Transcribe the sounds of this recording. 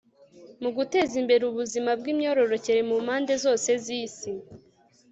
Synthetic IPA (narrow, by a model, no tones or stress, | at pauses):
muɡute̞ːzimbe̞ɾuβuzimab̚ɡiːmɲo̞ːɾo̞ɾo̞ce̞ɾemumhaːnde̞zo̞ːse̞ziːsi